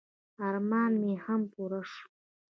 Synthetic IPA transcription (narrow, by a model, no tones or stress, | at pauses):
armaniħampʰʼuɾəʂʼ